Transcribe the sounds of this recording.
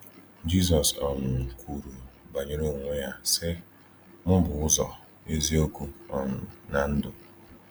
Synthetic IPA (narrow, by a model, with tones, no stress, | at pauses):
d͡ʒi˦s̬ɔ˨sɔ˨nʊ˨ŋ̩˨kʰʷu˨ɾu˨ba˨ɲe˦ɾo˦˨ŋʷʊ˦ja˦sɪ˦ | m̩˦bʊ˨ʊ˦zɔ̰˨ | e˦zi˦o˦ku˦ɔ˨nʊ˨na˨n̩˦dʊ˨